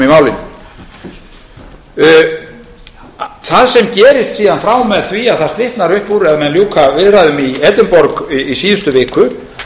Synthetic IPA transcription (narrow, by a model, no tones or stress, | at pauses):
imaːwlɪn | θaðsɛmcɛːɾɪst̪siːðanfɾaːwmɛðθviaðθaðst̪lɪht̪naɾʏhpuːɾɛðamɛðljoːkʰavɪðraðʏmiɛːt̪ɪnpɔɾkːsiːðʏst̪ʏvɪːkʏ